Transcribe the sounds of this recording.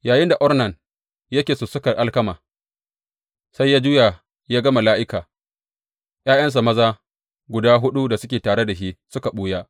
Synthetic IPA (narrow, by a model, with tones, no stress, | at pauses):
jaː˨jɪ˦nda˨ʔɔ˦rnɐ˨n | jɐ˦kʲeː˨sʊ˨sʊ˦kɐ˨rʔa˦lkɐ˦maː˨ | sa˦jːaː˦d͡ʒʊː˦ja˨ | jaː˦ɡɐ˦ma˨laː˦ʔɪ˦kaː˨ | ʔj̰aː˦jɐ˦ns̬a˨mɐ˦zaː˦ | ɡʷʊ˨daː˦ɦʊ˦ɗu˦da˨sʊ˦kʲeː˨taː˨ɽe˦da˨ʃi˦sʊ˦ka˨ɓuː˦jaː˦